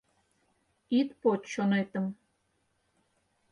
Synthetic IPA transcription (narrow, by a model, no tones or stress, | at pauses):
it̪pot̪ʃonet̪əm